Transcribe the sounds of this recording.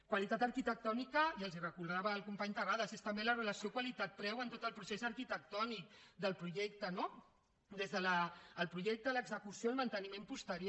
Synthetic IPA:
kwalit̪at̪əɾkit̪ək̚t̪ɔnikəiəlˠzirəkuɾð̞aβəːlˠkumpaɲt̪əraðəzest̪əmbelərələsiokwalit̪at̪̚pɾɛwənt̪ot̪əlˠpɾusezəɾkit̪ək̚t̪ɔnik̚d̪əlˠpɾuʒɛkt̪əno | d̪ezðələːlˠpɾuʒɛk̚t̪ələɡzəkusiolmənt̪ənimempust̪əɾjo

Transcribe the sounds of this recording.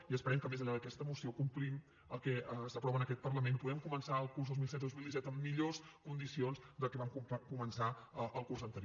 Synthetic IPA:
iəspəɾɛmkəmezəʎaðəkɛst̪əmusiokumplim | əlˠkɛəsəpɾɔβənəkɛt̪̚pərləmenpuɣɛmkumənsaəlˠkurzðozmilˠsɛt̪d̪ozmilˠd̪isɛt̪əmːiʎoskund̪isionzd̪əkɛβamkukumənsaəəlˠkurzənt̪əɾ

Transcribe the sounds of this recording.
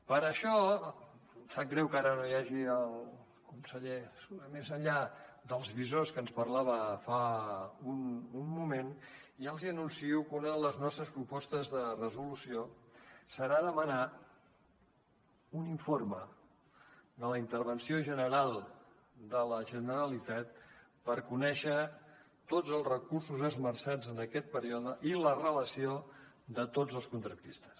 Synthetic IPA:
pəɾəʃɔ | saɡɾɛwkaɾənojaʒiəlˠ | kunsəʎesuɾəmezəʎad̪əlˠzβizoskənspərlaβ̞əfaunumːumeniəlˠziənunsiɛwkunəðələznɔst̪ɾəspɾupɔst̪əzðərəzulusiosəɾaðəməna | uniɱformə | d̪ələint̪əɾβ̞ənsioʒənəɾalˠ | d̪ələʒənəɾəlit̪at̪ | pəɾkunɛʃə | t̪od͡zəlˠzrəkursuzəzmərsad͡zənəkɛt̪̚pəɾiɔðəʔilərələsio | d̪ət̪od͡zəlˠskunt̪ɾəp̪ist̪ə̥s

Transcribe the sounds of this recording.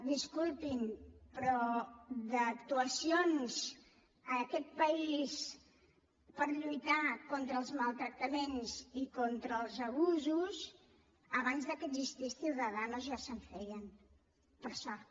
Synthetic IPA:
d̪iskulˠt̪inpɾɔd̪əːkt̪uəsions | əkɛt̪̚pəis | pəɾʎujt̪akont̪ɾəːlˠzmalˠt̪ɾək̚t̪əmenzikont̪ɾəːlˠzəβuzus | əβanzðəkəzist̪isθiwðəðanəzʒasəɱfɛjən | pəɾʃɔ

